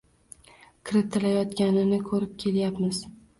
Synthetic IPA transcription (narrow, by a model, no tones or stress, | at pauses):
kʲʰɪɾɪt̪ʰɪlajɒt̪kʲanɪnɪkʰɵɾɪp̚kʲʰe̞ljapmɪz̥